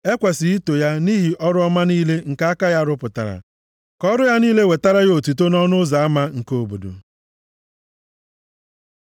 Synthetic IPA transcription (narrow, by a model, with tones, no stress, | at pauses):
e˦kʷa˨si˨i˦to˨ja˦ni˦ɦi˨ʔɔ˦ɾʊ˦ɔ˦ma˦niː˦le˦ŋ̩˨ka˦a˦ka˦ja˦ɾʊ˦pʊ˨ta̰˨ɾa̰˨ | kɔ˦ɾʊ˦ja˦niː˦le˦we˨ta˦ɾa˦jo˨tu˨to˦nɔ˦nʊ˦za˨a˦ma˦ŋ̩˨ko˦˨bo̰˨do̰˨